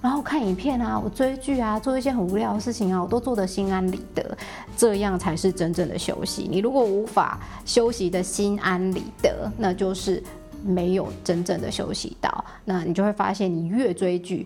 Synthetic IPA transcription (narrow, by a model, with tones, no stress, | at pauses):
ɻa˧˥ŋxo˥˩˧kʰa˥˩ni˨˩pʰjɛ˥˩na˨wɔ̰˨˩t͡swe˥ɪt͡ɕy˥˩a˨t͡swɔ˥˩˧i˥˩ɕ̬jɛ˥xə˨˩nu˧˥ljɑ˥˩ʊd̪ə˩ʂɻ̩˥˩t͡ɕʰi˨˩ŋa˨wɔ˨˩t̪o˥ʊt͡swɔ˥˩d̪ə˩ɕi˦˥na˦nlḭ˨˩˦d̪̥ə̰˧˦ | ʈ͡ʂɤ˥˧jɑ˥˩ŋt͡sʰa˧˥ɪʂɻ̩˥˩ʈ͡ʂə˦nʈ͡ʂə˥˩ŋd̪ə̰˩ɕjo̰˥ʊɕḭ˧˥nḭ˨˩ɻu˧˥kwɔ˨˩u˧˥fa̰˨˩ | ɕjo˥ʊɕi˧˥d̪ə˨ɕi˥na˦nlḭ˨˩˦d̪ə̰˧˦na˥˧t͡ɕjo˥˧ʊʂɻ̩˥˩ | me˧˥ɪjo˨˩ʊʈ͡ʂə˦˥nʈ͡ʂə˥˩ŋd̪ə̰˨˩ɕjo̰˥ʊɕḭ˧˦t̪ɑ̰˥˩ʊ | na˥˩ni˨t͡ɕjo˥˧ʊxwe˥˩fa̰˥ɕjɛ˥˩nni˨˩ɥɛ˥˩t͡swe˥ɪt͡ɕy̰˥˩